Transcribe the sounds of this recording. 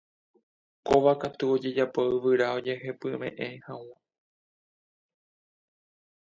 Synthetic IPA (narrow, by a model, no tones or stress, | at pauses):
koʋakat̪uo̞d͡ʒe̞d͡ʒapoɨʋɨɾao̞d͡ʒe̞he̞pɨmḛ̃ʔẽhawa